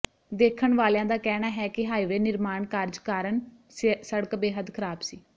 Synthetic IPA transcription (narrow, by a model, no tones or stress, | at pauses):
d̪eːkʰəɳʋaːljãːd̪aːkɛːnaːɦɛːkɪɦaːiːʋeːnɪɾmaːɳkaɾd͡ʒkaːɾəɳ | səɽəkbeːɦəd̪kʰəɾaːbsiː